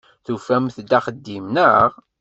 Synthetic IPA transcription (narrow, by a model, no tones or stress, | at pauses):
θufæmθd̪æχəd̪ːimnəʁ